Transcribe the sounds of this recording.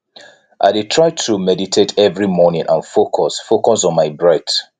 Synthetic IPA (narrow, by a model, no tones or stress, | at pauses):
ʔa̰ɪdetʰɹaɪtʰumɛditʰetʰɛvɹimɔnĩŋʔãnfokʰɔsfokɔsɔ̃nmaɪbɹɛt